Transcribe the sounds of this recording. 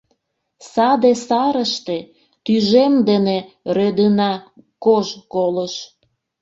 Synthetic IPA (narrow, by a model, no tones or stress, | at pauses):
sɑd̪esɑɾəʃt̪e | t̪yʒemd̪ene | rød̪ənɑkoʒkoləʃ